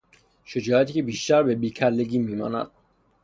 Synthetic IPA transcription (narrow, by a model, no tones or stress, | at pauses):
ʃed͡ʒɒːjæt̪ʰiːcʰebiːʃt̪æɾbebiːcʰælːeɡiːmiːmɒ̰ːnæ̰d̪̥̚